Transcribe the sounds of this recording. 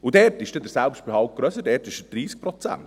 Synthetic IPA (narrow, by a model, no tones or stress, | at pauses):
udɛːɾtɪʃd̥edəɾsælpʃt̚b̥ɛhɑlt̚ɡ̥ɾœsədɛːtɪʃdəd̥ɾiːsk̚pɾɔt͡sæ̰nt